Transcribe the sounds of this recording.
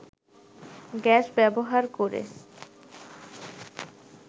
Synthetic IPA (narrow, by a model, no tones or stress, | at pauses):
ɡɛʃbɛboɦaɾkoɾḛ